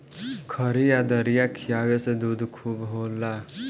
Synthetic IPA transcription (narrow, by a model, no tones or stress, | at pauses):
kʰəɾijad̪əɾijakʰijaʋesed̪uːd̪ʱkʰuːbɦola